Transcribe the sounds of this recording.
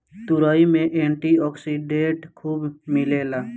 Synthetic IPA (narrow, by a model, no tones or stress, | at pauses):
t̪ʊɾaːimẽʔẽːɳʈiɔːksiɖẽʈkʰuːbmɪleːlaː